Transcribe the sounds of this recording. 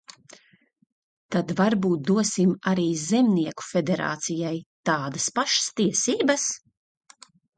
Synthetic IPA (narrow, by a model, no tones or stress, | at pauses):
t̪ad̪vaɾbuːt̪̚d̪uɔsimaɾiːzemniɛku̥fed̪eɾa̰ːt̪sijajt̪aːd̪ɐspaʃə̥st̪iɛsiːbɐs